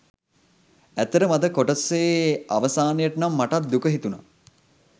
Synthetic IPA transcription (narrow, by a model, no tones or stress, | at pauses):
æt̪ːəɾəmad̪əkoʈəseːaʋəsaːnəjəʈənamːaʈat̪̚d̪ukəɦit̪una̰